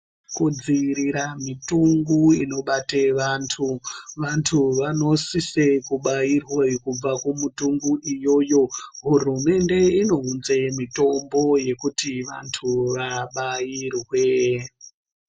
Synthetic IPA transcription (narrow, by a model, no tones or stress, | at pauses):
kud͡ziiɾiɾamituŋɡuino̞ɓateʋaːntʰuʋantʰuʋano̞sisekuɓairwekub͡vakumutuŋɡuʔijo̞ːjo̞ɦurume̞nde̞ino̞unzemito̞mbo̞je̞kutiʋa̰ntʰuʋaɓajirwe̞